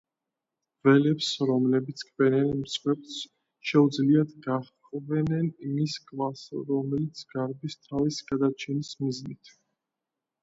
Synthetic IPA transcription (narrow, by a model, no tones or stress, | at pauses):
vɛlɛpsɾɔmlɛbit̪sʰkʼʰvɛnɛnmsʼχwɛps | ʃɛud̪zliad̪ɡaχqʼvɛnɛnimiskʼvasɾɔmɛlit̪sʰɡaɾbist̪ʰavisɡad̪at͡ʃʰɛnismiznit̪ʰ